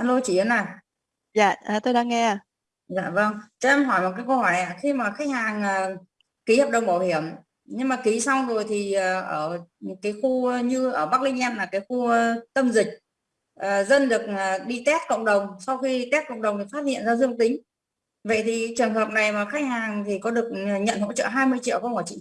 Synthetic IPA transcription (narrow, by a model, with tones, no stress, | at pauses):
ʔaː˧nlo˧jt͡ɕi˧˩˨ə˨˦naː˨˩ | zaː˧˨aː˨˩t̪o˧ɗaː˧ŋːɛ˧a˨˩ | za̰ː˧˨və˧ŋt͡ɕɔ˧ʔɛ˧mɦɔ˧˩jmo˨˩t̚kaː˨˦kə˧hɔ˧˩jʔa̰ː˧˨xi˧maː˨˩xa˦˥k̟̚haː˨˩ŋʔəː˨˩ | ki˨˦həː˨˩p̚ɗə˨wŋ͡mɓaː˧˩whi˧˩əm | ɲɨ˧ŋmaː˨˩ki˨˦sa˧wzo˨˩jt̪ʰi˨˩əː˨˩ʔəː˧˩kaː˨˦jxu˧ɲɨ˧ʔəː˧˩ɓa˦˥k̚lï˧ŋ̟ʔɛ˧mlaː˨˩kaː˨˦jxu˧ə˧t̪ə˧mzï˨˩k̟̚ | ʔəː˨˩zə˧nɗɨ˨˩ək̚ə˨˩ɗi˧t̪ɛ˦˥t̚kə̰˧˨wŋ͡mɗə˨˩wŋ͡msa˧wxi˧t̪ɛ˦˥t̚kə̰˧˨wŋ͡mɗə˨˩wŋ͡mt̪ɨ˨˩faː˦˥t̚hḭ˧˨ənzaː˧zɨ˧əŋt̪ï˨˦ŋ̟ | və̰˧˨jt̪ʰi˨˩t͡ɕɨ˨˩əŋɦəː˨˩p̚na˨˩jmaː˨˩xa˦˥k̟̚haː˨˩ŋt̪ʰi˨˩kɔ˨˦ɗɨ˨˩ək̚ːɲə̰˧˨nɦo̰˧˥t͡ɕə̰ː˧˨ɦaː˧jmɨ˧əjt͡ɕḭ˧˨əwkɔ˧˦mɔ˧˩jt͡ɕḭ˧˨